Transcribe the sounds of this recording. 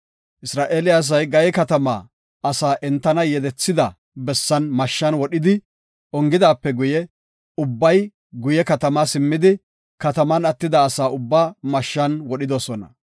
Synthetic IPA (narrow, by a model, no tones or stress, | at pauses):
ʔɪsɾaːʔeːlɪjaːs̬ɐjɡɐjɛkɐt̪ɐma̰ː | ɐsaːʔɛnt̪ːɐnɐjɛd̪ɛt͡sːɪd̪ɐ | bɛsːɐnmɐʃːɐnwɔɗɪd̪ɪ | ɔŋɡɪd̪aːpːɛɡʊjɛ | ʊbːɐj | ɡʊjɛkɐt̪ɐmaːsɪmːɪd̪ɪ | kɐt̪ɐmɐnɐt̪ːɪd̪ɐːsaːʊbːaːmɐʃːɐnwɔɗɪd̪ɔsɔnɐ̰